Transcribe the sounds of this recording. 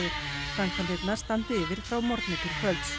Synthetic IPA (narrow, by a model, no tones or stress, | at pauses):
ɪɾ | saŋkʰvant̪ɪt̪nast̪ant̪ɪvɪɾ̥fɾawmɔɾt̪nɪkɪɾ̥kʰvœlt̪s